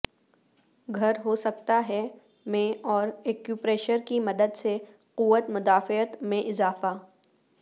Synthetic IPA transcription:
ɡʱɐɾɦosɐkt̪aɦɛ | mẽɔːɾeːkjupɾeːʃəɾkimɐd̪əd̪se | quʋət̪mʊd̪aːfɪət̪mẽʔɪzaːfaː

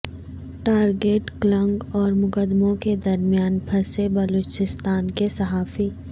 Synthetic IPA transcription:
ʈaːɾɡeːʈklɐ̃ŋɡɔːɾmʊkəd̪mõked̪ɐɾmijaːnpʰɐsebɐloːt͡ʃɪst̪aːnkesɐɦaːfiː

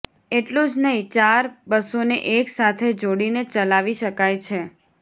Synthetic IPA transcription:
eʈlũd͡ʒnəɦĩt͡ʃaɾbəsoneʔeksat̪ʰed͡ʒoɽinet͡ʃəlaʋiʃəkajt͡ʃʰe

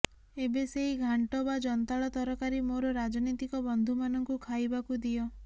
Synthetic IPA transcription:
ebeseɦiɡʱaɳʈɔbad͡ʒɔnɔt̪aɭɔt̪ɔɾɔkaɾimoɾɔɾad͡ʒɔnit̪ikɔbɔnd̪ʱumanɔŋkukʰajbakud̪iɔ

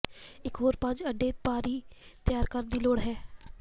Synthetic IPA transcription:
ɪkɦoːɾpə̃ɲd͡ʒəɖːeːpaːɾiːt̪ɪjaːɾkəɾnd̪iːloːɽɦɛː

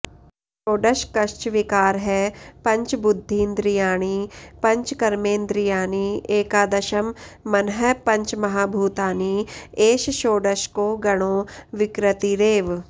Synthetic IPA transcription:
ʃoːɖəʃkɐʃt͡ʃʋɪkaːɾɦɛpɐ̃ɲt͡ʃbʊd̪ʱːiːnd̪ɾijaːɽ̃ipɐ̃ɲt͡ʃkɐɾmẽːnd̪ɾɪjaːñieːkaːd̪ɐʃəmːɐnɦəpɐ̃ɲt͡ʃmɐɦaːbʱuːt̪aːnieːʃʃoːɖəʃkoɡɐɽ̃oːʋɪkɾət̪iɾeːʋ

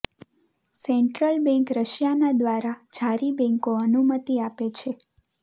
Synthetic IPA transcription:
sɛɳʈɾəlbɛ̃ŋkɾəʃjanad̪ʋaɾad͡ʒʱaɾibɛ̃ŋkoənumət̪iapet͡ʃʰe

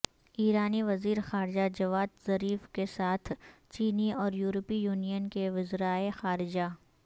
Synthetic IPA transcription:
iːɾaːniʋɐziːɾxaːɾd͡ʒad͡ʒɐʋaːd̪zɐɾiːfkesaːt̪ʰt͡ʃiːniɔːɾjuːɾəpijuːnijənkeʋʊzɾaːexaːɾɪd͡ʒa

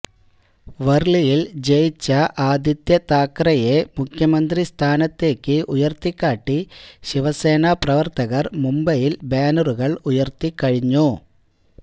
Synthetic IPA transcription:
ʋɐrɭijild͡ʑejt͡ɕːɐʔaːd̪ʱjɐt̪jɐt̪aːkːrɐjemukʰjɐmɐnd̪rist̪ʰaːnɐt̪ːe̞ːkːɨʔujɐrt̪ikːaːʈːiɕiʋɐse̞ːnɐprɐʋɐrt̪ɐɣɐrmumbɐjilbeːnuruɣɐɭujɐrt̪ikːɐɻiɲːu

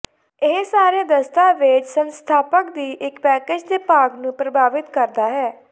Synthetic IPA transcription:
ɪɦsaːɾeːd̪əst̪aːʋɪt͡ʃsənst̪ʰaːpəkd̪iːʔɪkpɛːkeːd͡ʒd̪eːpaːɡnũːpɾəbʱaːʋɪt̪kəɾd̪aːɦɛː

